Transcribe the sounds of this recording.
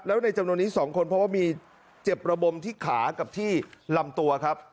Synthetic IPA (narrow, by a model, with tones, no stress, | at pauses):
lɛː˦˥na˧jt͡ɕa˧mnu˧ənːiː˦˥sɔː˩˦ŋkʰo˧npʰɾɔ˦˥waː˥˩miː˧ | t͡ɕe˨˩p̚ɾa˧bo˧mt̪ʰiː˥˩kʰaː˩˦ka˨˩p̚t̪ʰiː˥˩la˧mt̪u˧ɐkʰa˦˥p̚